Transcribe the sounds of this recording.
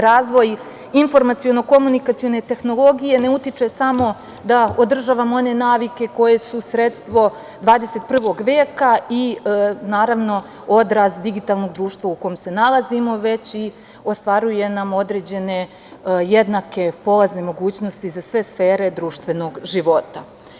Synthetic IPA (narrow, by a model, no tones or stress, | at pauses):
ɾaːzʋo̞j | info̞ɾmat̪sijo̞no̞ko̞munikat̪sijo̞ne̞t̪e̞xno̞lˠoɡije̞ne̞ut̪it͡ʂe̞samo̞ | d̪aod̪r̩ʒaːʋamo̞ne̞naːʋike̞ko̞je̞susɾe̞t̪st̪ʋo̞ | d̪ʋaːd̪eset̪̚pr̩ʋo̞ɡʋeːkainaːɾaʋno̞ | o̞d̪ɾasd̪iɡit̪aːlˠno̞ɡd̪ɾuːʃt̪ʋauko̞jomse̞nalˠazimo̞ʋe̞t͡ɕi | o̞st̪ʋaɾuje̞namo̞d̪ɾe̞ːd͡ʑe̞ne̞ | jed̪nake̞po̞laznemo̞ɡuːt͡ɕno̞st̪izasʋe̞sfe̞ːɾe̞d̪ɾuːʃt̪ʋe̞no̞ɡʒiʋo̞t̪a̰